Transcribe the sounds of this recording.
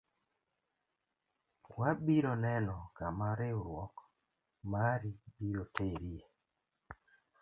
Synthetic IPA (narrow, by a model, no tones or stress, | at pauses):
wabiɾɔnɛnɔkamaɾeoɾwɔk | maɾibiɾoteɾie